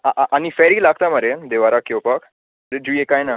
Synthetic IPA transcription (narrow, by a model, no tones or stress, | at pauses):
aʔaʔanifɛɾiːlaɡʱt̪aməɾed̪eʋaɾakːewpak | ɾed͡ʑujekajna